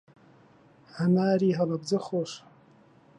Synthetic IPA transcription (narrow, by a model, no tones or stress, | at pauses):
ʕanaːriɦalabzɨχoʂ